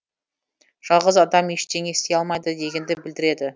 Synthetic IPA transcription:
ʒ̥ɑlˠʁəzɑd̪ɑmeʃt̪e̞ŋe̞st̪e̞jɑlˠmɑjd̪əd̪e̞ɡʲe̞nd̪ɪbɪld̪ɪɾe̞d̪ɪ

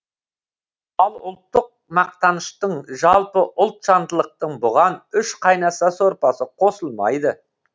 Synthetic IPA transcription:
ɑlˠʊ̰lˠt̪ːəq̚mɑq̚t̪ɑnəʃt̪əɴʒɑlˠpəʔʊlˠt̪ʃɑnd̪əlˠəq̚t̪əɴbʊʁɑnʏʃqʰɑjnɑsɑsoɾpɑsəqʰo̞səlˠmɑ̰jd̪ə

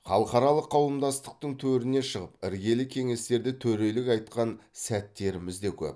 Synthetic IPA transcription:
χɑlˠəqɑɾɑlˠəqʰːɑwəmd̪ɑst̪ə̥q̚t̪əɴt̪ʰɵɾɪne̞ʃəʁəpɪɾɡʲe̞lɪkʲʰe̞ŋe̞st̪e̞ɾd̪ɪt̪ʰɵɾe̞lɪkɑjt̪qɑnsæt̪ːe̞ɾɪmɪzd̪e̞kʲʰɵ̰p

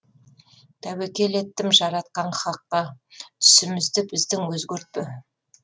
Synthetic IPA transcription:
t̪ʰæwekʲe̞le̞t̪ːɪmʒɑɾɑt̪̚qɑɴχɑqːɑt̪ʰʏ̥sɪmɪzd̪ɪbɪzd̪ɪŋwɵzɡʲɵɾt̪̚pɪ

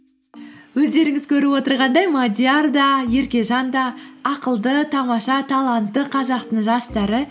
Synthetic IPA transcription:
wɵzd̪e̞ɾɪŋɪzkʲʰɵɾɪwo̞t̪əɾʁɑnd̪ɑjmad̪ʲjard̪ɑje̞ɾkʲe̞ʒɑnd̪ɑːqəlˠd̪ət̪ʰɑmɑʃɑt̪ʰɑlˠɑnt̪ːəqʰɑzɑqt̪əɴʒɑst̪ɑɾə

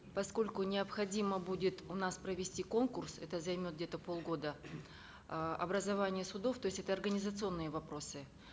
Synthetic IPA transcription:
pɐsko̞lʲkʊnʲɪɐpxɐdʲiməbudʲɪt̪ʊnaspɾəvʲɪsʲtʲiko̞nkʊrsɛt̪əzɐjmʲot̪̚ɡdʲet̪əpo̞lˠɡo̞d̪ə | ɐ̰bɾəzɐvanʲɪjəsʊd̪o̞ft̪o̞ɪsʲɛt̪əɐrɡənʲɪzət̪sɨo̞nːɨjəvɐpɾo̞sɨ

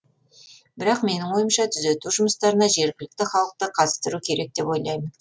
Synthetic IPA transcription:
bɪɾɑqme̞nɪŋwo̞jəmʃɑt̪ʰʏze̞t̪uʒʊməst̪ɑɾənɑʒe̞ɾɡʲɪlɪk̚t̪ɪχɑlˠəq̚t̪əqʰɑt̪ə̥st̪əɾukʲʰe̞ɾe̞k̚t̪e̞pwo̞jlˠɑjmən

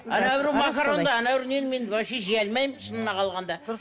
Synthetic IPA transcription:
ɑnawɾumakaɾond̪ɑːnɑwɾunenmenbɑʃeʒiælmɑjmʃənənɑqʰɑlˠʁɑnd̪ɑ

